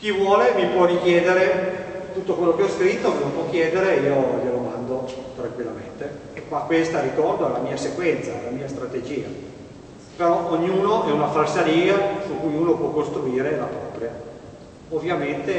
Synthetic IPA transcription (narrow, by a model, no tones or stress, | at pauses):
k̟ivwɔːlemipwɔrik̟jeːd̪eɾet̪ut̪ːokwelːokeɔskɾit̪ːomemipwɔk̟ːjɛːd̪eɾejeojelomand̪ot̪ɾaŋkwilːament̪e | ekmakːwest̪aɾikɔrd̪oalːamiːasekwɛnt̪salamiːast̪ɾat̪ed͡ʒiːa̰ | peɾɔʔoɲːuːnoʔɛunafalsaɾiːasukujuːnopwɔkːost̪ɾuiːɾelapɾɔːpɾja | ovːjament̪e